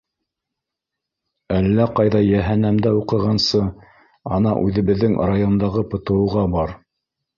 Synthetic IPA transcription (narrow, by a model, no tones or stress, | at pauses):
ælːæqɑjðɑjæɦænæmd̪æuqɤ̆ʁɑnsɤ | ɑnɑ̰ʔʉðɘ̆βɘ̆ðːɘŋrajo̞nd̪ɑʁɤpɤ̆t̪ɤ̆wɤ̆ʁɑbɑɾ